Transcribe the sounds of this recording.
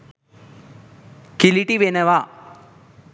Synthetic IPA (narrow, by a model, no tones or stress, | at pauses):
kiliʈiʋenɐʋaː